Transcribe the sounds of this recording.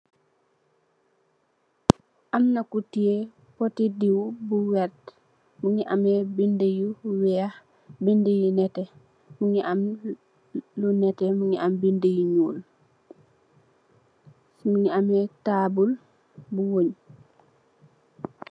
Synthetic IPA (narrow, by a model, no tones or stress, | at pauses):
ʔamnakutie | potidiwbuwɛt | muŋiʔa̰mebindejuwɛah | bindejunɛtɛ | muɲiʔam | lunɛtɛmuɲiambindejuɲuːl | muɲiamɛtabul | buwoɲ